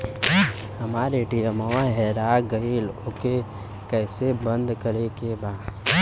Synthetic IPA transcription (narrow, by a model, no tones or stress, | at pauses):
hɐmaːɾeʈijəmɐwaɦɛɾaːɡɐilʊke | kɛːsebə̃nd̪kɐɾekebaː